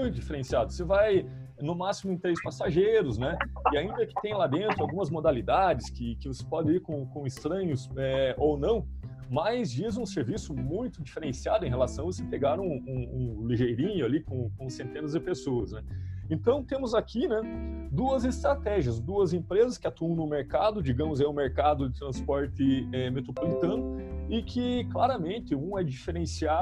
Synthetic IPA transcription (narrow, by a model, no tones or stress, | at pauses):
mũj̃t̪ʊd͡ʒifeɾẽsiad̪ʊsevaj | nʊmasimʊẽt̪ɾejspasaʒejɾʊznɛɪaĩnd̪ɐkɪ̥t̪ẽj̃lad̪ẽnt̪ɾʊawɡũmɐzmod̪alid̪ad͡ʒɪskɪkɪvose̥pɔd̪ɪiɾkõkõɪst̪ɾɐ̃ɲʊsɛownɐ̃w̃ | majzd͡ʒizũseɾvisʊmũj̃t̪ʊd͡ʒifeɾẽsiad̪ʊẽj̃ɦelasɐ̃w̃vosepeɡaɾũũũliʒejɾĩɲʊalikõkõsẽnt̪ẽnɐzd͡ʒ̪ɪpesoɐsnɛẽnt̪ɐ̃w̃t̪ẽmʊzakinɛd̪uɐzɪst̪ɾat̪ɛʒiɐzd̪uɐzẽpɾezɐskɪat̪uɐ̃w̃nʊmeɾkad̪ʊd͡ʒiɡɐ̃mʊzɛ̃ʊ̃meɾkad̪ʊd̪ɪt̪ɾɐ̃spɔɾt̪ɪɛmet̪ɾopolit̪ɐ̃nʊɪkʰɪklaɾɐmẽnt̪ɪũɛd͡ʒifeɾẽsia